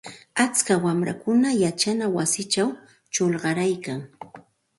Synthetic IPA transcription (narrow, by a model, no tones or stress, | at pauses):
at͡skawamɾa̰kʊnajat͡ʃanawasɪt͡ʃaw | t͡ʃolɢɑɾajkaŋ